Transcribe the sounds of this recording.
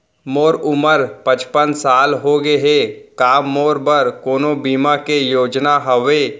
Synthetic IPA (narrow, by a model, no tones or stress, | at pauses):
moːɾʊməɾpə̃t͡ʃpənsaːlɦoɡeɦeːkaːmːoːɾbəɾkoːnõbiːmakejoːd͡ʒnaɦəʋeː